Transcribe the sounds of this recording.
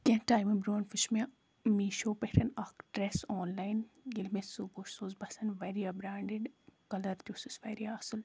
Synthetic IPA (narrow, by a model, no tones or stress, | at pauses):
kʲẽʈaːjmɐbɾoːnfɪʃme | miːʃoːpehɾɐnakʈɾeːsoːnlaːɪnjilmẽsuboːʃsoːzbɐsɐnʋeːɾiɐbɾaːɳɖɪɖkɐlɐɾd̪juːsɪsʋeːɾiaːsɪl